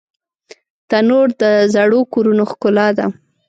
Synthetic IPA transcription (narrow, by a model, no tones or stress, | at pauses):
t̪anoɾd̪əzaɽokoɾunoxkʊlɑd̪a